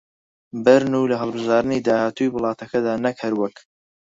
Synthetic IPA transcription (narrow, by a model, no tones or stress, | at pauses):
bɐɾnulɐɦəlˠbɨʒɑːɾɨnid̪aːhaːt̪ʰujiwɨlˠɑːt̪ɐkʰɐd̪aːnɐkhɐɾwɐk